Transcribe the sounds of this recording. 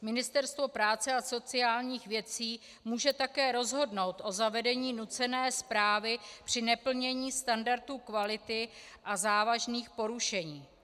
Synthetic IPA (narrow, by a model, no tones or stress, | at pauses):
mɪnɪst̪ɛɾst̪vo̞pɾaːt͡sɛaso̞t͡sɪaːlɲiːxvjɛt͡siː | muːʒɛt̪akɛːɾo̞zɦo̞dno̞wt̪ʔo̞zavɛdɛɲiːnut͡sɛnɛːspɾaːvɪpr̝̥ɪnɛpl̩ɲɛɲiːst̪andaɾt̪uːkvalɪt̪ɪ | ʔazaːvaʒniːxpo̞ɾuʃɛɲiː